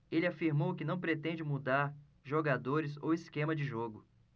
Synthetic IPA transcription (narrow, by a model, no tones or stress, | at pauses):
elɪafiɾmowkɪnɐ̃w̃pɾet̪ẽnd͡ʒɪmud̪aɾ | ʒoɡad̪oɾɪzowiskẽmɐd͡ʒɪʒoɡʊ